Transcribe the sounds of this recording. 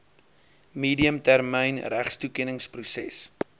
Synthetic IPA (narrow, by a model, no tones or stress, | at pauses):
miːdiəmtærmɛjnræχstukɛnəŋsprusɛ̰s